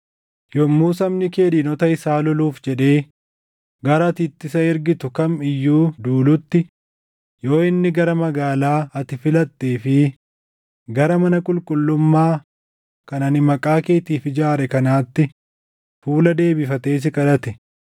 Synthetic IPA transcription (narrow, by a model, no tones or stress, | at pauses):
jɔmːuːsɐmnɪke̞ːd̪ɪnɔt̪ɐɪsaːlɔluːfd͡ʒɛᶑe̞ː | ɡɐɾɐt̪ɪt̪ːɪsɐɪɾɡɪt̪ʊkɐmɪjːuːd̪uːlʊt̪ːɪ | jo̞ːɪnːɪɡɐɾɐmɐɡaːlaːɐt̪ɪfɪlɐt̪ːeːfɪ | ɡɐɾɐmɐnɐkʼʊlkʼʊlːʊmːaː | kɐnɐnɪmɐkʼaːke̞ːt̪iːfɪd͡ʒaːɾɛkɐnaːt̪ːɪ | fuːlɐd̪e̞ːbɪfɐt̪e̞ːs̬ɪkʼɐᶑɐt̪ɛ